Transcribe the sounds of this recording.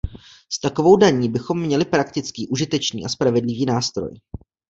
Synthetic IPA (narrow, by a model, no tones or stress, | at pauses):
st̪ako̞vo̞wdaɲiːbɪxo̞mːɲɛlɪpɾakt̪ɪt͡skiːʔuʒɪt̪ɛt͡ʃnḭːʔaspɾavɛdlɪviːnaːst̪ɾo̞̰j